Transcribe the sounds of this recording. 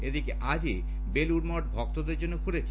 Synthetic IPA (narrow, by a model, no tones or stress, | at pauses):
ed̪ikeʔad͡ʑe | beluɖmɔʈ̚bʱɔk̚t̪od̪eɾd͡ʑonːokuɾet͡ɕʰ